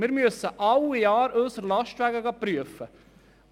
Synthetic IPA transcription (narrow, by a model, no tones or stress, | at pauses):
mɪːɾmyəsəʔɑwjɑːɾøːsərlɑʃtʋæɡəɡɑpryəfə